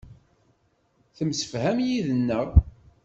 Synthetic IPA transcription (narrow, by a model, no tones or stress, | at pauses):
θəmsə̥fhæmjiðənːəʁ